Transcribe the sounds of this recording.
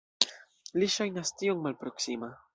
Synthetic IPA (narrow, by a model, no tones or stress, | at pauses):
liʃajnastioŋmalpɾo̞ksima